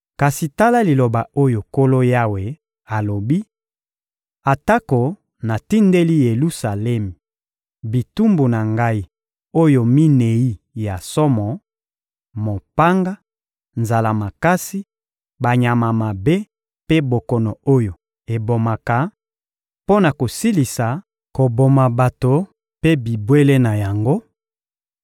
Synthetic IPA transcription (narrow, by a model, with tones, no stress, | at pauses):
ka˨si˨ta˦la˦li˨lo˨ba˨o˦jo˨ko˦lo˦ja˦we˨ | a˨lo˨bi˦ | a˨ta˦ko˨ | na˨ti˦nde˦li˦je˨lu˦sa˨lɛ˦mi˨ | bi˨tu˦mbu˨na˨ŋɡa˦i˦ | o˦jo˨mi˦ne˨i˦ | ja˨sɔ˦mɔ˨ | mo˨pa˦ŋɡa˦ | nza˨la˨ma˨ka˦si˦ | ba˨ɲa˨ma˨ma˨be˦ | pe˦bo˨kɔ˨nɔ˨o˦jo˨ | e˨bo˨ma˨ka˨ | po˦na˨ko˨si˦li˨sa˨ | ko˨bo˨ma˨ba˨to˨ | pe˦bi˨bwe˦le˦na˨ja˨ŋɡo˦